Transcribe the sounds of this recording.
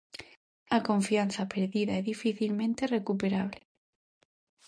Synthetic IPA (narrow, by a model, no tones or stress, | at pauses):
ako̞ɱfian̟θapeɾðiðaeðifiθilmẽnt̪e̞re̞kupe̞ɾaβ̞le